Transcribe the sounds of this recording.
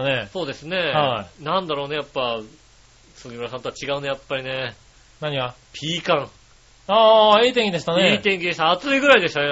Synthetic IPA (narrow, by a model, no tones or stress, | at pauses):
neso̞ːd̪e̞sɨne̞anãnd̪aɾo̞ːne̞japːa | sɨɡʲimɯɾasãnt̪o̞at͡ɕiɡaɯ̟ne̞japːaɾʲine̞ | naɲ̟iɡa | pʲʰiːkãŋ | aːiːt̪ẽŋkʲid̪e̞ɕi̥t̪aneeːt̪ẽ̞ŋkʲid̪e̞ɕt̪aːt͡sɨiɡɯ̟ɾaid̪e̞ɕit̪a